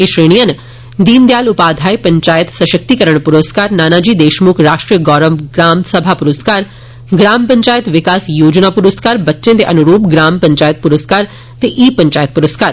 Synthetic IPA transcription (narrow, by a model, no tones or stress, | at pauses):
eʃɾeːɽ̃ijən | d̪iːnd̪jaːlʊpaːd̪ʱaːjpɐ̃ɲt͡ʃaːjət̪sɐʃək̚t̪ikɐɾəɽ̃pʊɾəskaːɾnaːnad͡ʒiːd̪eːʃmukʰɾaːʃʈɾijəɡɔːɾəʋɡɾaːmsɐbʱapʊɾəskaːɾ | ɡɾaːmpɐ̃ɲt͡ʃaːjət̪ʋɪkaːsjoːd͡ʒnapuɾəskaːɾbɐtːʃẽt̪eʔɐnʊɾuːpɡɾaːmpɐ̃ɲt͡ʃaːjət̪̚puɾəskaːɾ | t̪eʔiːpɐ̃ɲt͡ʃaːjət̪̚puɾəskaːɾ